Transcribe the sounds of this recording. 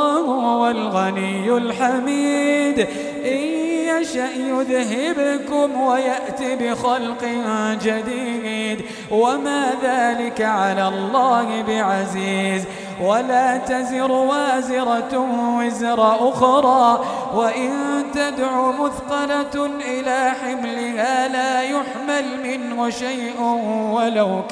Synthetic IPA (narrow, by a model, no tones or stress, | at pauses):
hʊwalɣanɪjːʊlħamiːd̪ | ʔajːaʃaʔjʊðɦɪbkʊmwajaʔt̪ibɪxalqɪd͡ʒad̪iːd̪ | wamaːðaːlɪkaʕalaːlˤːɑːhɪbɪʕaziːz | walaːt̪azɪɾwaːzɪɾˤɑwɪzɾˤɑʔʊxɾˤɑː | waʔɪnt̪ad̪ʕuːmʊðqɑlaʔɪlaːħɪmlɪɦaːlaːjʊħmalmɪnhʊʃajʔnwalaw